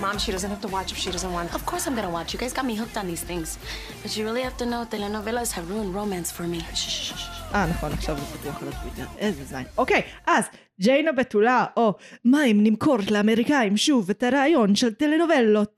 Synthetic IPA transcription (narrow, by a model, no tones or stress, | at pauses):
mãmʃidʌzə̃nt̚hæftəwɑt͡ʃɪfʃidʌzə̃nt̚wɑ̃ntɔv̥kʰɔɹsãɪ̃mɡʌnəwɑt͡ʃjəɡaɪzɡɑt̚miɦʊk̚tn̩ðiːz̥θɪ̃ŋz̥ | b̥ʌt͡ʃəɹɪlˠihæftənoʊðelenovɛloz̥həvɹõnɹoʊmæ̃nsfə˞mi | ʔanaχonaχʃavazetijoχalotjot̪ḛʁʔezezma̰jnokejʔaz | d͡ʒejnobetulaʔomaimnimkʰoʁtleameʁikaimʃuvetaɾaːjo̞nʃeltelenovelot̚